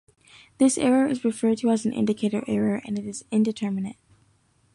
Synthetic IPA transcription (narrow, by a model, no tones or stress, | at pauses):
ðɪsɛɹə˞ʔɨzɹɨfɜ˞d̚tʰəəzn̩ʔɪ̰̃ndɨkʰeɪɾəɹʔɛɹə˞ʔɨ̰̃nɨɾɨzɪ̃ndɨtʰɜ˞mɨnɨ̰t̚